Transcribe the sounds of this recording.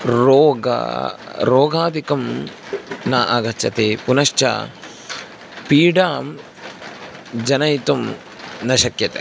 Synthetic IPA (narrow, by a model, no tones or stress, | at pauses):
ɾoːɡa̰ɾoːɡʱaːd̪ikɐm | naːʔaːɡɐt͡ʃːɐ̰t̪epunɐʃt͡ʃɐ̰ | piːɖaːm | d͡ʒɐnɐjt̪um | nɐʃɐkjɐt̪e